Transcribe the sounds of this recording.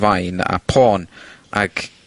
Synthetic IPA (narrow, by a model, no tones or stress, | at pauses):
vajna̰pʰɔːnʔa̰ɡ